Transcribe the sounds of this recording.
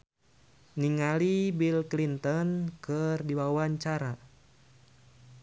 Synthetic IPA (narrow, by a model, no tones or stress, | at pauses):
niŋalibilklint̪ɔnkɨrdiwawaɲt͡ʃaɾa